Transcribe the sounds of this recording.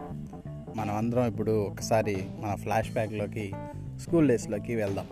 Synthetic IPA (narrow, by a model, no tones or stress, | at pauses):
mɐnɐmɐnd̪ɐɾɐmipːuɽuɔkːɐ̥saːɾimɐnɐpʰlaːʂbaːkloːki | skuːlːeːsloːkiʋɛɭd̪am